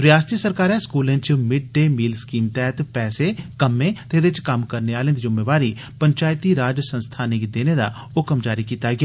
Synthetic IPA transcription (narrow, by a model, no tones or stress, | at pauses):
ɾɪjaːst̪iːsəɾkaːɾɛ̃skuːlẽːt͡ʃmɪɖ̚ɖeːmiːlskiːmt̪ɛːɦt̪pɛːsekəmẽːt̪ed̪ɪt͡ʃkɐmkəɾneaːlẽːd̪d͡ʒʊmːeːʋaːɾiː | pəɲt͡ʃaːjt̪iːɾaːd͡ʒsə̃nst̪ʰaːnɪkd̪eːned̪a̰ | ʊkəmd͡ʒaːɾikiːt̪aɡɪa